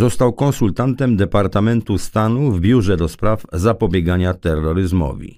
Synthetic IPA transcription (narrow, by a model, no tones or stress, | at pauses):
zɔst̪awkɔ̃nsult̪ant̪ɛmd̪ɛpaɾt̪amɛnt̪ust̪anuvbʲjuʐɛd̪ɔspɾavzapɔbʲjɛɡaɲat̪ɛrːɔɾɘzmɔ̰vʲḭ